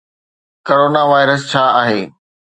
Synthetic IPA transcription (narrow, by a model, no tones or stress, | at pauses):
koɾoːnaʋaːɪɾəs̬t͡ɕʰaːaːɦeː